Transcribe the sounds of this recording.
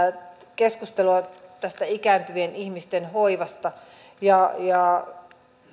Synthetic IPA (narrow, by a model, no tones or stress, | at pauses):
keskust̪eloɑt̪æst̪æikæːnt̪yenihmist̪enhoiʋɑst̪ɑ | jɑjɑ